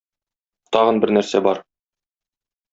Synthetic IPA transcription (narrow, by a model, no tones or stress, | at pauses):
t̪ɒʁɤ̆nbɘɾnæɾsæbɒɾ